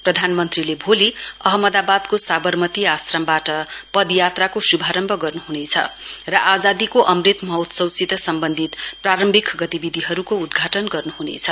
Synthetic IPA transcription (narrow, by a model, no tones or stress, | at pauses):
prʌd̪ʱanmʌnt̪rilebʱoliʌɦʌmʌd̪abad̪kosabʌrmʌt̪iasrʌmbaʈʌpʌd̪jat̪rakosubʱaɾʌmbʱʌɡʌrnuɦunet͡sʰʌ̰rʌʔad͡zad̪ikoʔʌmrit̪mʌɦot̪sʌwt͡sit̪ʌsʌmbʌnd̪ʱit̪praɾʌmbʱikɡʌt̪ibid̪ʱiɦʌɾukoud̪ɡʱaʈʌnɡʌrnuɦunḛt͡sʰʌ